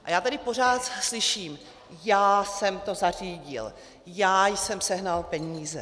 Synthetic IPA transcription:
ʔajaːt̪adɪpo̞r̝aːt̪slɪʃiːm | jaːsɛmt̪o̞zar̝iːɟɪ̰l | jaːjsɛmsɛɦnalpɛɲiːzɛ

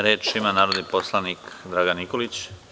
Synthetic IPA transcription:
ɾeːt͡ʃimanaːɾod̪nipo̞slˠanikd̪ɾaːɡanikolit͡ɕ

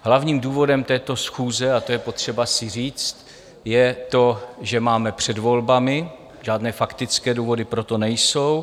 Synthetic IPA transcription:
ɦlavɲiːmduːvo̞dɛmt̪ɛːt̪o̞sxuːzɛat̪o̞jɛpo̞t̪r̝̥ɛbasɪr̝iːt͡st̪ | jɛt̪o̞ʒɛmaːmɛpr̝̥ɛdvo̞lbamɪ | ʒaːdnɛːfakt̪ɪt͡skɛːduːvo̞dɪpɾot̪o̞nɛjso̞w

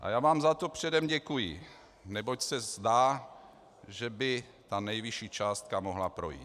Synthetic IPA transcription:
ʔa̰jaːvaːmzat̪opr̝̥ɛdɛmɟɛkujɪ | nɛbocsɛzd̪aː | ʒɛbɪ | t̪anɛjviʃiːt͡ʃaːst̪̚kamoɦlapɾo̰jḭːt̪

